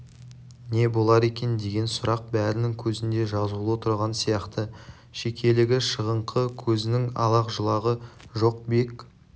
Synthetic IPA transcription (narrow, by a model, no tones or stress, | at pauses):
ne̞bo̞lˠɑɾe̞kʲe̞nd̪e̞ɡʲe̞nsʊɾɑq̚bæɾɪnɪŋkʲʰɵzɪnd̪e̞ʒɑzulˠwot̪ʰəɾʁɑnsijɑqt̪ə | ʃe̞kʲe̞lɪɡʲɪʃəʁəɴqʰəkʲʰɵzɪnɪŋɑ̰lˠɑqʒəlˠɑʁəʒo̞q̚be̞k